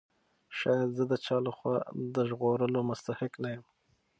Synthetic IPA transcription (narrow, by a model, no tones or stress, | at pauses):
ʃɑjad̪zəd̪ət͡ʃɑləxwɑ̰d̪əʒɣoɾəlomʊst̪ahɪknajəm